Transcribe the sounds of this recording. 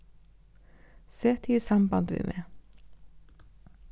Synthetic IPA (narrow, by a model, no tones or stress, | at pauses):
seːt̪ʰiːsɑmbɑnd̪ʋḭːmʔeː